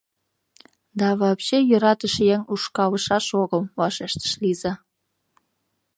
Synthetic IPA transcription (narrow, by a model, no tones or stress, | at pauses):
d̪ɑβɑpɕejyɾɑt̪ə̆ʃjeŋuʃkɑlə̆ʃɑʃoɣə̆lβɑʃeʃt̪ə̥ʃlizɑ